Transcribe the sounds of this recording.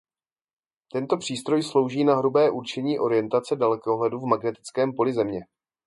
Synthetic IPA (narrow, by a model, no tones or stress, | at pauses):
t̪ɛnt̪o̞pr̝̥iːst̪ɾo̞jslo̞wʒiːnaɦɾubɛːʔuɾt͡ʃɛɲiːʔo̞ɾɪjɛnt̪at͡sɛdalɛkoɦlɛduvmaɡnɛt̪ɪ̥t͡skɛːmpo̞lɪzɛmɲɛ